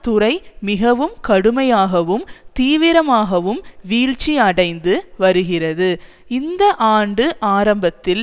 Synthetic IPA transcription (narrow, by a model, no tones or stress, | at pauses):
t̪ʊrɐɪmɪɣɐʋɯmkɐɽɯmɐjaːɣɐʋɯmt̪iːʋɪɾɐmaːɣɐʋɯmʋiːɻt͡ʃiɐɽɐɪnd̪ɯʋɐɾɯɣɪrɐðɯ | ɪnd̪ɐʔaːɳɖɯʔaːɾɐmbɐt̪ːɪl